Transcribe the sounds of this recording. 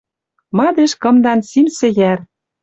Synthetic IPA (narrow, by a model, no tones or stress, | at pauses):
mɑd̪eʃkɤ̆md̪ɑnsimsɘ̆ɣær